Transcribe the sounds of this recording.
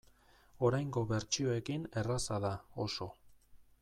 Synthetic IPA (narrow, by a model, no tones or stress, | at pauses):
o̞ɾajŋɡo̞βe̞ɾt͡ʃio̞e̞kine̞rasaðao̞so̞